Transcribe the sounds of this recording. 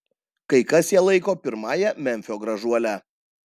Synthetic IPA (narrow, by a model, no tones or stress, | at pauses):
kɐɪkɐsjiɛlˠɐɪkoːpʲɪɾmɑːjɛmʲɛnʲfʲoːɡɾɐʒuɔlʲæ